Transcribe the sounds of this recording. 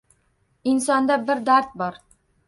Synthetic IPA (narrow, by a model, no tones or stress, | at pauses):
insɒnd̪ɑbɘɾd̪aɾt̪̚bɒɾ